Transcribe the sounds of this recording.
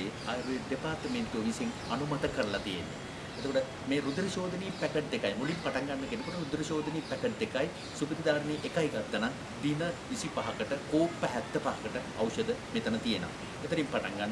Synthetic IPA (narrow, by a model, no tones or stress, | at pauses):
eajɾujeɖ̪epaːɾt̪əmeɳʈuoʋiseŋ | ɐnumɐt̪əkːɐɾlɐt̪ijḛnːṵ | et̪okoʈə | meːɾud̪ɾɐʃoːd̪ʱɐniːpɛkeɖd̪ekːajmulimpaʈaŋɡanːɐkenekuʈəɾud̪ɾɐʃoːd̪ɐniːpɛkeɖd̪ekːaj | subɐd̪id̪aːɾɐniʔekajɡɐt̪ːɐna | d̪inɐʋisipaɦɐkəʈəkoːpːɐɦæt̪ːəpaɦɐkəʈə | ɐwʃɐd̪əmet̪ɐnət̪ijenɐ̰ | et̪ɐɾimpaʈaŋɡanː